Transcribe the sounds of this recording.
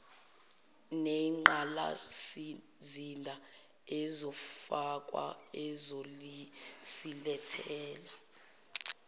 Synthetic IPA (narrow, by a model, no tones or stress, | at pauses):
neŋ͡ǃala̰s | zindʱa | ɛzɔfak̬ʼwa̰ɛzoisilɛtʰɛːla